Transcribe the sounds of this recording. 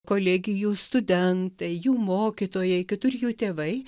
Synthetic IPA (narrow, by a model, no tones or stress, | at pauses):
koːlʲeɡʲɪjuːst̪ʊd̪ʲɛnt̪ɐɪjuːmoːkʲɪt̪oːjɛɪkʲɪt̪ʊrʲjuːt̪ʲeːʋɐɪ